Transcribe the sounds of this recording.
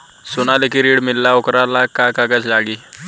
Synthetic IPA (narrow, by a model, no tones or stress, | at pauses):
sonalekiɾiɽmilːaokɾalakakaɡat͡sd͡zaɡi